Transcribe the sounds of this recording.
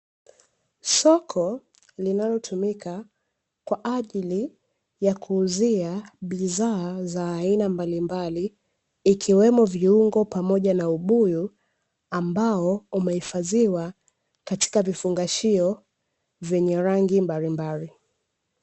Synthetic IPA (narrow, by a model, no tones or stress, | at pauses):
sɔkʰɔ | linalɔtʰumikʰa | kwaʔaʄili | jakʰuːziaɓizaːzaːinambalimbaliː | kʰiwɛmɔviuŋɡɔpamɔʄanauɓuju | ambaɔumɛhifaziwa | kati̥kavifuŋɡaʃiɔ | vjɛɲɛɾaŋɡimbalimbali